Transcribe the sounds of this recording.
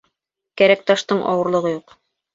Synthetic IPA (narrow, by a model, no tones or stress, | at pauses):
kæɾæk̚t̪ɑʃt̪ɤɴʔɑ̰wɤ̆ɾlˠɤ̆ʁɤjuq